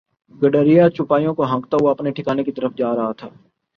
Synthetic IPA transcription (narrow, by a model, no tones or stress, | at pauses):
ɡɐɖəːɾijat͡ʃʊpaːijõkoɦɐ̃kt̪aʋoɐpneʈʰɪkaːnekit̪ɐɾəfd͡ʒaːɾɐɦat̪ʰaː